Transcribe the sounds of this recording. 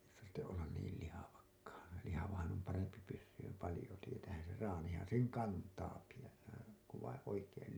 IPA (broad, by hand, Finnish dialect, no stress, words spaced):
tɑrtːeʔ ʔolːɑn niːl lihɑʋɑkːɑːn lihɑʋɑhɑn om pɑrempi pysːyːm pɑlĭjo tietæːhæn̞ ser rɑːnihɑn seŋ kɑntɑːki jos se ku ʋɑĩː oikeːl